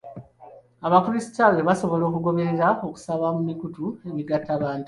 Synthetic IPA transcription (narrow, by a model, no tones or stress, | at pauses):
aβakuɾisi̥tawe̞βaso̞βo̞lo̞ːkuɡo̞βe̞ɾe̞ɾao̞ku̥saβamumikutue̞ŋɡiɡatːaβaːntu